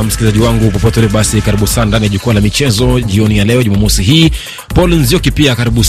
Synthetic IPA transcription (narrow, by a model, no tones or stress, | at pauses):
m̩skilizaʄiwaŋɡupɔpɔtɛlɛɓasikaɾiɓusaːndanijaʄukualamit͡ʃɛzɔʄiɔnijalɛɔʄumamɔsiɦiː | pɔlinzijɔkipiakaɾiɓu